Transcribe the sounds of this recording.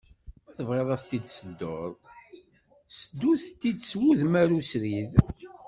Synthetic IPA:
æθəvʁeðˤæθt̪id̪səd̪ːoɾˤ | səd̪ːuθt̪ːid̪swuðmæɾusɾið

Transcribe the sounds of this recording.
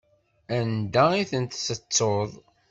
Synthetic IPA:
ænd̪aiθənt̪sət͡sːoðˤ

